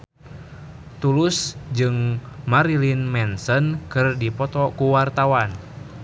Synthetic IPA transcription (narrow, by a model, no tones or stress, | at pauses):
t̪ulusd͡ʒɨŋmaɾilinmɛnsənkɨrdipɔt̪ɔkuwart̪awan